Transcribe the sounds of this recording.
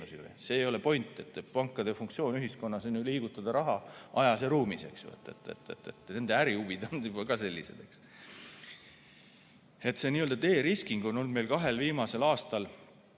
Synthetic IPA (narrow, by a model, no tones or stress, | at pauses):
usiv̰jse̞ːjo̞le̞po̞jnt̪ːˑe̞t̪ːˑepɑŋkːˑɑd̪̥efuŋk̚t̪sio̞ːnyɦisko̞nːɑsenyliːɡ̥ut̪ːˑɑd̪̥ɑɾɑɦɑʔɑjɑseɾuːmise̞̰ksvɑ̰t̪ːˑe̞̰t̪ːˑḛt̪ːˑe̞̰t̪ːˑet̪ne̞nd̪eæɾiuvid̪onybɑkɑse̞lʲːḭse̞d̪e̞ks | e̞t̪se̞niːø̞ld̪ɑt̪e̞ːɾiskiŋɡ̥o̞no̞lme̞jlkɑɦe̞lviːmɑse̞lɑːst̪ɑl